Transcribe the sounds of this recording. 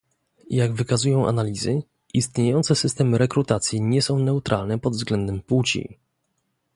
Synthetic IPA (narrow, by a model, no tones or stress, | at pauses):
jaɡvɘkazujɔ̃w̃ʔa̰nalʲizɘ | ist̪ɲejɔnt̪sɛsɘst̪ɛmɘɾɛkɾut̪at̪sʲjiɲɛsɔ̃w̃nɛut̪ɾʔalnɛpɔd̪vzɡlɛnd̪ɛmput͡ɕḭ